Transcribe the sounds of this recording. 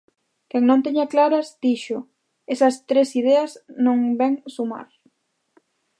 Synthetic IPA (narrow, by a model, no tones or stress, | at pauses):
kɛŋnõnt̪eɲaklaɾɐzd̪̥iʃʊ | esɐst̪ɾesið̞eɐznõŋbɛŋsuma̰ɾ